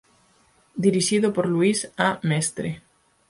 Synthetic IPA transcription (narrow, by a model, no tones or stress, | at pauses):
d̪iɾiʃiðopoɾluisamɛst̪ɾe